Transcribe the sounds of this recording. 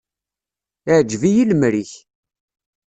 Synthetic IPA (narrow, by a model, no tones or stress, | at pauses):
ʕd͡ʒvijilmɾiç